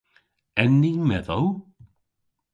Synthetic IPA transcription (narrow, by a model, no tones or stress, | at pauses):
ɛnːiŋmɛðow